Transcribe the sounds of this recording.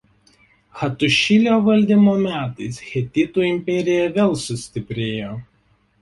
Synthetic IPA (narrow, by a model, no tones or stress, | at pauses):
xɐt̪ʊʃʲɪlʲoːʋɐlʲd̪ʲimoːmʲæːt̪ɐɪsxʲɛt̪ʲɪt̪uɪmʲpʲɛɾʲɪjɛʋʲeːlˠsʊsʲt̪ʲɪpʲɾʲeːjoː